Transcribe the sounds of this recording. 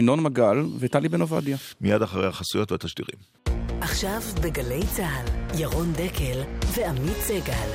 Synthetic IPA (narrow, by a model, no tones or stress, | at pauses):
inonmaɡalvet̪alibenova̰d̪jamijadaχaʁejhaχasujot̪veat̪aʃtḭʁḭm | ʔaχʃavbeɡale̞jt͡saːljaʁo̞nd̪ekʰelveamitt͡seɡal